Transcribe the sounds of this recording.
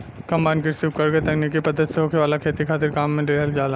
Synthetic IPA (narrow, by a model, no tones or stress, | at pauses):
kɐ̃mbaːɪnkɪɾsiːʋkɐɾɡeet̪ɛknikipɐd̪ːət̪seɦoːkʰeʋaːlakʰeːt̪ikʰaːt̪ɪɾkaːmːẽɖeːɦəld͡ʒaːla